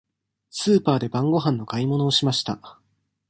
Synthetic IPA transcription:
sɨːpaːd̪e̞bãŋɡo̞ɦãnːo̞kaimo̞no̞ːɕimaɕi̥t̪a̰

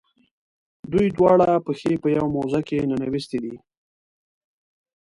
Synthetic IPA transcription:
d̪ujd̪wɑɽapəxepəjawmozakenanawist̪ed̪i

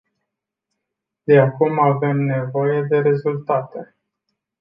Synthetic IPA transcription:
d̪e̞akumave̞mne̞vo̞je̞d̪e̞ɾe̞zult̪at̪e̞

